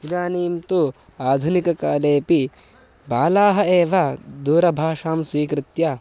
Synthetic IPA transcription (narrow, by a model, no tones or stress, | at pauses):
id̪aːniːmt̪u | aːd̪ʱunikɐkaːleːpi | baːlaːɦɐeːʋɐd̪uːɾɐbʱaːʂaːmsʋiːkɾɪt̪ja